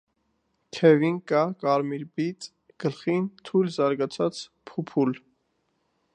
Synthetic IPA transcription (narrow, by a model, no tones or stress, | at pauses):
t̪ʰɛvinkɑkɑɾmiɾbit͡sʼ | ɡ̥əlχint̪ʰujlzɑɾɡɑt͡sʰɑt͡s | pʰupʰul